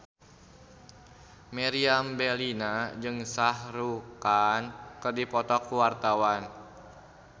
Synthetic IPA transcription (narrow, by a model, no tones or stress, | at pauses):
mɛɾiambɛlinad͡ʒɨŋsahɾukankɨrdipɔt̪ɔkːuwart̪awan